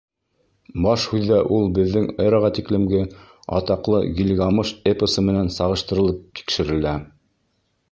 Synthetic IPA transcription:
bɑʃhʉðːæʔulˠbɘ̆ðːɘŋɤ̆ɾɑʁɑt̪iklɘ̆mɡɘ | ɑ̰t̪ɑqlˠɤ̰ɡʲilʲɡɑmɤʃepəsɤmɘ̆nænsɑʁɤ̆ʃt̪ɤ̆ɾɤ̆lˠɤp̚t̪ʰi̥kʃɘ̆ɾɘ̆læ

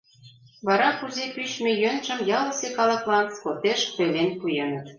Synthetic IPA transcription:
βɑɾɑkuzepyɕmejønʒə̆mjɑlə̆sekɑlɑklɑnskot̪eʃt̪ølenpujɤnə̆t̪

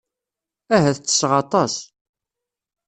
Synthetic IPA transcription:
æɦæθət͡sːə̥sːʁɑt̪ˤɑs

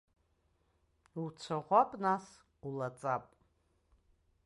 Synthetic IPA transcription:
ut͡ʃʷʰaʁʷapʼnas | ulat͡sʼapʼ

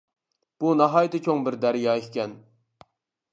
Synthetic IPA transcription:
b̥unɑɦɑːjit̪ʰɪt͡ʃʲʰoŋbɪɾd̪æɾjɑːekʲɛn

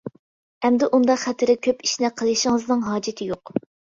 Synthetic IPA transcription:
ɛmd̪ɪʔund̪ɑqχɛt̪ʰɪɾɪkʲʰøpi̥ʃnɪqʰəlˠɨʃɪŋəznɨŋɦɑːd͡ʒɪt̪ʰɪjoq

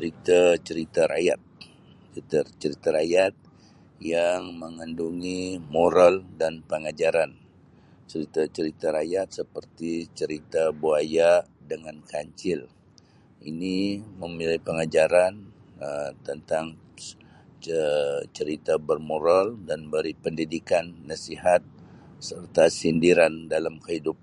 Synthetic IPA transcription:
əɾit̪at͡ʃəɾit̪aɾa̰jat̪̚ | t͡ʃəit̪at͡ʃəɾit̪aɾajat̪̚ | jaŋməŋanduŋimoɾaldanpəŋad͡ʒaɾan | t͡ʃəɾit̪at͡ʃəɾit̪aɾajat̪̚səpərt̪it͡ʃəɾit̪abuajadəŋankaɲt͡ʃɪl | ʔḭniməmilapəŋad͡ʒaɾanət̪ənt̪aŋ | t͡ʃəɾit̪abərmoɾaldanbəɾipəndidikanːasiɦat̪̚ | sərt̪asindiɾandalamkəɦidup

